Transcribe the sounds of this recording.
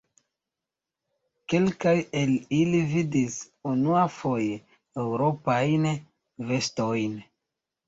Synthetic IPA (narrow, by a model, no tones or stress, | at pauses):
ke̞lkaje̞lilividis | unuafo̞je̞ | ewɾo̞pajn | ve̞sto̞jn